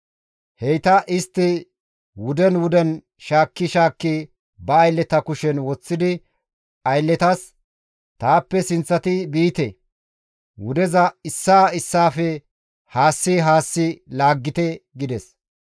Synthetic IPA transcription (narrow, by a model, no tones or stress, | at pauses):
hɛjt̪ɐʔɪst̪ːɪ | wʊd̪ɛnwʊd̪ɛn | ʃaːkːɪʃaːkːɪ | bɐːjlːɛt̪ɐkʊʃɛnwɔt͡sːɪd̪ɪ | ɐjlːɛt̪ɐs | t̪aːpːɛsɪnt͡sːɐt̪ɪbiːt̪ɛ | wʊd̪ɛzɐɪsːaːɪsːaːfɛ | haːsːiɦaːsːɪlaːɡːɪt̪ɛɡɪd̪ɛs